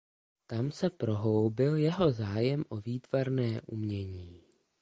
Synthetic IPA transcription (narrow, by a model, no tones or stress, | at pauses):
t̪amsɛpɾo̞ɦowbɪljɛɦo̞zaːjɛmʔoviːt̪v̥aɾnɛːʔṵmɲɛɲiː